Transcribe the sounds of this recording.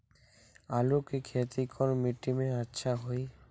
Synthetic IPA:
alukekʰet̪ikʰɔɾmiʈːimeatːʃʰaɦoj

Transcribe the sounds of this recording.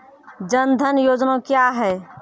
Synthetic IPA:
d͡ʒənd̪ʱənjoːd͡ʒnakjaɦɛː

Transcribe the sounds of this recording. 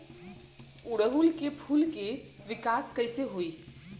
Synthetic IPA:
ʊɽəɦulkepʰuːlke | ʋɪkaːskɐɪseɦoiː

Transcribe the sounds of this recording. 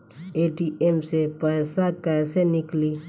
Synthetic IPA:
eːʈiʔemsepəːsakɛːsenɪkli

